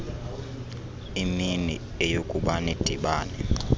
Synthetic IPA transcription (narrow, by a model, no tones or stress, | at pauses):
iminḭ | ejokʼuɓanid̥ʱiɓaːnɛ